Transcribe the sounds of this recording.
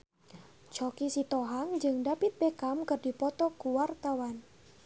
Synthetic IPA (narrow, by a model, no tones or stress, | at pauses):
t͡ʃɔkisit̪ɔɦaŋd͡ʒɨŋdapit̪̚bekamkərdipɔt̪ɔkuwart̪awan